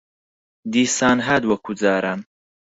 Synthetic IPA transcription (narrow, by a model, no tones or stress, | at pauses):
d̪iːsaːnɦad̪wɐkʰud͡zaːɾam